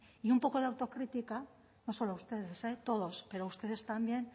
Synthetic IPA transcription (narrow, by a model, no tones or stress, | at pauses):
iumpo̞ko̞ðeawt̪o̞kɾit̪ika | no̞so̞loaust̪e̞ð̞e̞se̞t̪o̞ð̞o̞spe̞ɾoust̪e̞ðe̞st̪ambje̞n